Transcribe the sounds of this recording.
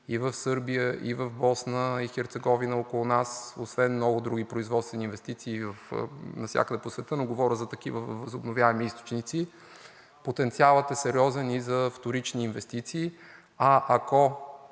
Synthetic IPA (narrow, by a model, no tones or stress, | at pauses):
ivəfsɤɾbijəʔivəvbɔsnəixɛɾt̪sɛɡɔvinəokolˠʊnasosvɛnmnɔɡʊd̪ɾuɡipɾoizvɔt̪t̪vɛniːnvɛst̪it̪siːvəfnɐfsʲa̰kəd̪ɛposvɛt̪ənoɡovɔɾʲəzɐt̪ɐkivəvəzʊbnovʲjaɛmiist̪o̥t͡ʃnit̪si | pot̪ɛnt̪sialˠət̪ɛsɛɾiɔzɛnizɐft̪oɾit͡ʃniːnvɛst̪it̪siː | ɐʔako